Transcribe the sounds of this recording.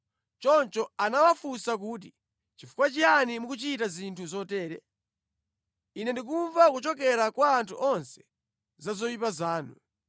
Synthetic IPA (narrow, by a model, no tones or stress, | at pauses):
t͡ʃɔnt͡ʃɔanawafusak̬uːt̬i | t͡ʃifu̥kwat͡ʃianimukut͡ʃitazintʰuzɔtɛːɾɛ | inɛndik̬uɱvakut͡ʃɔk̬ɛɾakwaːntʰuʔɔnsɛ̥ | zazɔjipazaːnṵ